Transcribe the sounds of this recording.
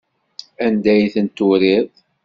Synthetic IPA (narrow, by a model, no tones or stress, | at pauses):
ænd̪æjθənt̪ʊɾið